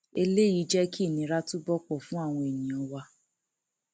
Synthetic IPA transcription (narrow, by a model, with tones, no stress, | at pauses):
e˧le˦ji˨˦d͡ʒɛ˦ki˦˨nĩ˨˦ɾa˦tu˦bɔ˦k͡pɔ˦˨fũ˦a˦˨w̃ɔ̃˧e˨nĩ˨ɔ̃˨˧wa˧